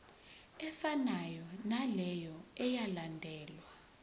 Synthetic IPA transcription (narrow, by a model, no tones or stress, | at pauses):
ɛfanajɔnalɛjɔɛjalandʱɛːlwa